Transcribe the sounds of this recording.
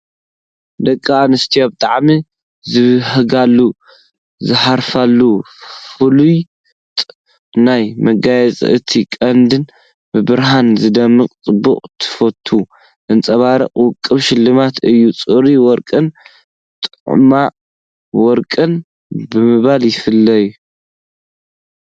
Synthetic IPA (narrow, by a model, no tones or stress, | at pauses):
d̪ɐkʼːaanɨst̪ʰijabɨt̪ʼaʕmi | zɨhɨɡalːu | zɨħaɾfalːu | fɨluj | t̪ʼ | najmɐɡajɛt͡sʼɨ̰ʔɨt̪ʰikʼɐnd̪ɨn | bɨbɨɾɦanzɨd̪ɐmːɨqʼt͡sʼɨbuqʼt̪ʰɨ̥fot̪ʰːu | ʔɨnt͡sʼɐβaɾɐqʼwʊkʼːɨβʃɪlːɨmat̪ʰɨjːut͡sʼɨɾiwɔɾkʼɨn | t̪ʼɨʕma | wɔɾkʼɨn | bɨmɨβaljɪfɨlːɐju